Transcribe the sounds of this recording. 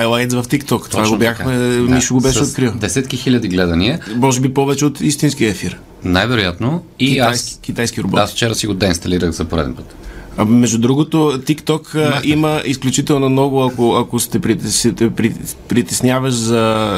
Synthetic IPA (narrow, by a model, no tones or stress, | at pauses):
ajlˠajt̪svɐft̪ikt̪ɔkt̪ovaɡobjaxmɛmiʃoɡobɛʃɛot̪kɾilˠd̪ɛsɛt̪kixilʲɐd̪iɡlɛd̪ɐniɐmɔʒɛbipɔvɛt͡ʃɛot̪ist̪insk̟iəɛfiɾ | najvɛɾʊjat̪no | iajkʲit̪ajsk̟iɾobɔasft͡ʃɛɾəsiɡod̪ɛinst̪ɐliɾəɣzɐpoɾɛ̰d̪ɛ̰npət̪mɛʒd̪ud̪ɾuɡot̪ot̪ikt̪ɔkiməʔisklʲut͡ʃit̪ɛlˠnomnɔɡʊɐkoɐkost̪ɛpɾit̪ɛsɛɛpɾipɾit̪ɛsnʲjavɐʃzɐ